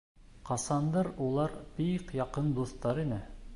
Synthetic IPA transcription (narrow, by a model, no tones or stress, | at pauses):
qɑsɑnd̪ɤɾulˠɑɾbiqjɑqɤnd̪uθt̪ɑɾinɘ